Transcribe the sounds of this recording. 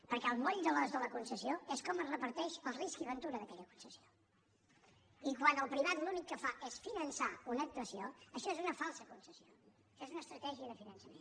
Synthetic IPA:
pəɾkɛəlˠmɔʎd̪əlɔzðələkunsəsioɛskɔməzrəpəɾt̪ɛʃəlˠriskiβənt̪uɾəðəkɛʎəku̥nsəsio | ikwanəlˠpɾiβ̞at̪lunikːəfaʔɛsfinənsaunəːk̚t̪uəsioəʃɔezunəfalˠsəkunsəsio | əʃɔezunəːst̪ɾət̪ɛʒiəðəfinənsəmḛn

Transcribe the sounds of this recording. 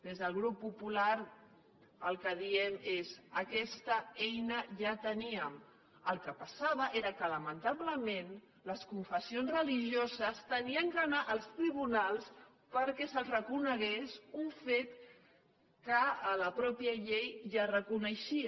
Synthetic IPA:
d̪ezðəlˠɣɾupːupulaɾ | əlˠkəðiɛmezəkɛst̪əɛjnəʒat̪əniəm | əlˠkəpəsaβəʔeɾəkələmənt̪aβləmen | ləskuɱfəsionzrəliʒiozəst̪əniəŋkənaʔəlˠst̪ɾiβunalˠs | pəɾkɛsəlzrəkunəɣesuɱfet̪ | kəələpɾɔpiəʎejʒarəkunəʃi

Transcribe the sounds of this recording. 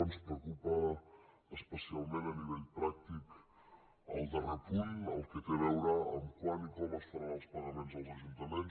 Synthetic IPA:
nspɾeokupə | əspəsialˠmẽnəniβɛʎpɾak̚t̪ik | ə̰lˠd̪ərək̪uʎə̰lˠkək̪əβɛwɾaə̰mkwanikələst̪ɾaðəlˠspəɣəmenzəlˠzəʒunt̪əmens

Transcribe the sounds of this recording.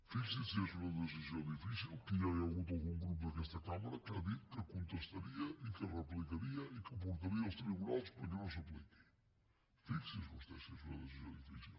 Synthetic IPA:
fiksisɛsunɐðəs̬izjowd̪ifisilˠkiajalˠɣut̪alˠɣuŋɡɾup̬uðɐkɛst̪ɐkamɐɾɐkaðit̪kəkũnt̪əst̪ɐɾiɐʔikərəplikɐɾiɐikəp̬uɾt̪ɐɾiɐlˠst̪ɾiɣunalˠspɐɾkɛnõw̃s̬ɐpliki̥j | fiksisust̪ɛ̰sɛzunɐ̰ðəsizjõ̰wd̪ifḭsḭlˠ

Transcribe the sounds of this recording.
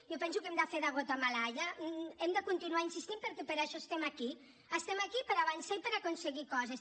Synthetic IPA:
jɔpɛnsukɛmd̪afeðaɣot̪amalaʎaɛmd̪əkunt̪inuainsist̪impəɾkɛpəɾaʃɔst̪ɛmaki | əst̪ɛmakipəɾaβansaipəɾakunsəɣikɔzes

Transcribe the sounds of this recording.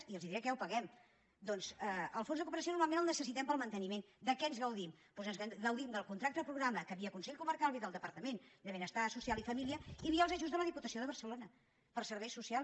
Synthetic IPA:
iəlˠziðɾiəkɛwpəɣɛm | d̪ɔnzəəlˠfonzðəkupəɾəsionuɾmalˠmenəlˠnəsəsit̪ɛmpəlˠmənt̪ənimend̪əkɛənzɣəwðimpɔzənzɣəwðimd̪əlˠkunt̪ɾakt̪əðpɾuɣɾaməkəβiəkunsɛʎʲkuməɾkalˠβiðəlˠd̪əpəɾt̪əmend̪əβenəst̪asusialˠifəmiliəiβiəlˠzəʒuzðələðiput̪əsioðəβ̞ərsəlonə | pəɾsəɾβɛjsusia

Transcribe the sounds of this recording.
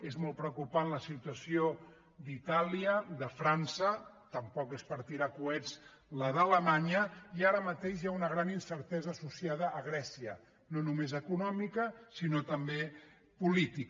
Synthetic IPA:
ezmɔlˠt̪pɾəukupanləsit̪uəsio | d̪it̪aliəðəfɾansə | t̪əmpɔkespəɾt̪iɾakuɛd͡z | ləðələmaɲəiaɾəmət̪eʃjaunəɣɾaninsəɾt̪ɛzəːsusiað̞əʔːɣ̞ɾɛsiə | nonumezəkunɔmikəsinot̪əmbe | pulit̪ik

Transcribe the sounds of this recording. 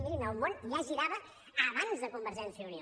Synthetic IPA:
miɾinəwmonjaʒiɾaβəː | βanzd̪əkumbəɾʒɛnsiəunio

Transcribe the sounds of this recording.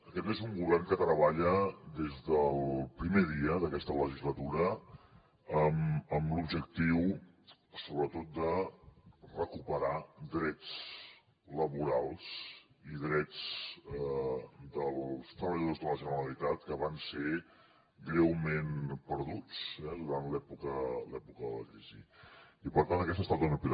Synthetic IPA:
əkɛt̪ezuŋɡuβɛrŋkət̪ɾəβaʎəd̪ezðəlˠpɾimeðiəðəkɛst̪ələʒizlət̪uɾə | əməmlubʒək̚t̪iw | soβɾət̪ot̪̚d̪ə | rəkupəɾad̪ɾɛt͡s | ləβuɾalˠs | iðɾɛd͡z | d̪əlst̪ɾəβəʎəðozðələʒənəɾəlit̪at̪̚kəβanse | ɡɾewmenpəɾðut͡sɛðuɾanlɛpukəlɛpukəðələkizḭipəɾt̪antəkɛst̪əst̪at̪unəpiɾ

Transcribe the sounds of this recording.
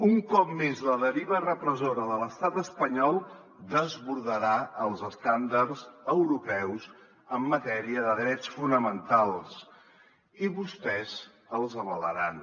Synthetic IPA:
uŋkɔpmezləðəɾiβərəpɾəzoɾəðələst̪at̪əspəɲɔlˠ | d̪əzβuɾðəɾaəlˠzəst̪and̪əɾzəwɾupɛwz | əmːət̪ɛɾiəðəðɾɛt͡sfunəmənt̪alˠs | iβust̪ɛz | əlˠzəβələɾan

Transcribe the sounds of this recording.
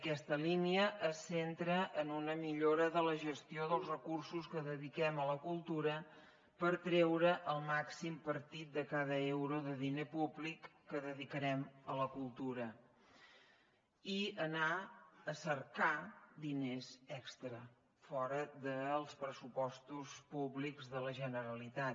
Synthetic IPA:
əkɛst̪əliniəʔəsent̪ɾəʔənunəmiʎoɾəðələʒəst̪ioðəlˠzrəkursuskəðəðikɛmələkulˠt̪uɾə | pəɾt̪ɾɛwɾəʔəlˠmaksimpəɾt̪it̪̚d̪əkaðəewɾuðəðinepublikːəðəðikəɾɛmələkulˠt̪uɾə | iənaəsərkad̪inezɛkst̪ɾə | fɔɾəðəlˠspɾəsupɔst̪uspuβlikzðələʒənəɾəlit̪a

